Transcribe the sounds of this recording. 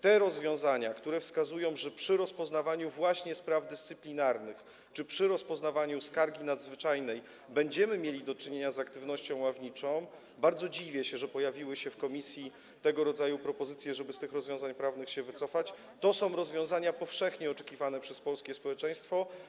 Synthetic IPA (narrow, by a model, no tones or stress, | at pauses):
t̪ɛɾɔzvʲjɔ̃w̃zaɲakt̪uɾɛfskazujɔ̃w̃ʐɛpʂɘɾɔspɔznavaɲuvwaɕɲɛspɾavd̪ɘst̪sɘplʲinaɾnɘx | t͡ʂɘpʂɘɾɔspɔznavaɲuskaɾɡʲinad̪zvɘt͡ʂajnɛj | bɛɲd͡ʑɛmɘmʲjelʲid̪ɔt͡ʂɘɲeɲazakt̪ɘvnɔɕt͡ɕɔ̃w̃wavɲit͡ʂɔ̃w̃ | baɾd̪zɔd͡ʑivʲjɛɕɛʐɛpɔjavʲiwɘɕɛfkɔmʲisʲji | t̪ɛɡɔɾɔd̪zajupɾɔpɔzɘt̪sʲjɛʐɛbɘst̪ɘxɾɔzvʲjɔ̃w̃zaɲpɾavnɘxɕɛvɘt̪sɔfat͡ɕ | t̪ɔsɔ̃w̃ɾɔzvʲjɔ̃w̃zaɲapɔfʂɛxɲɛɔt͡ʂɛ̥kʲivanɛpʂɛspɔlskʲɛspɔwɛt͡ʂɛj̃st̪fɔ